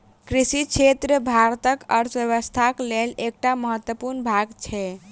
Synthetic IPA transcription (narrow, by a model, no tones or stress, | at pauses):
kɾisit͡ʃʰet̪ɾəbʱaɾt̪əkəɾt͡ʃʋjəβəst̪ʰaklelek̚ʈaməɦət̪wəpuɾnbʱaɡt͡ʃʰɛ